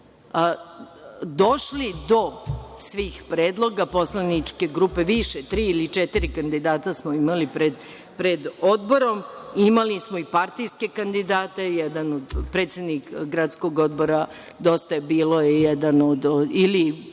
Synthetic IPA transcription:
d̪o̞ʃlid̪o̞sʋiːxpɾeːd̪lˠo̞ɡapo̞slanit͡ʃke̞ɡɾupe̞ʋiʃet̪ɾiːilit͡ʃɛt̪iɾikand̪id̪aːt̪asmoimalipɾed̪ | pɾed̪o̞d̪bo̞ɾo̞mimalismo̞ipaɾt̪ijske̞kand̪id̪aːt̪ejɛd̪anod̪pɾe̞ːt̪sjed̪nikɡɾat̪sko̞ɡo̞d̪bo̞ɾa | d̪o̞st̪ajebiːlˠo̞jejɛd̪anod̪oili

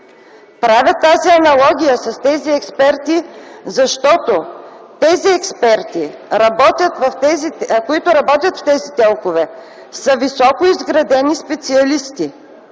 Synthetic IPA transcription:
pɾavʲət̪ːaziɐnɐlˠɔɡʲijəsɐst̪ɛziɛkspɛɾt̪izɐʃt̪ɔt̪ot̪ɛziɛkspɛɾt̪iɾɐbɔt̪ʲət̪vɐfɛzikoit̪ʊɾɐbɔt̪ʲət̪ft̪ɛzit̪ɛlˠkovɛ | sɐvisɔkoizɡɾɐd̪ɛnispɛt̪siɐlist̪i

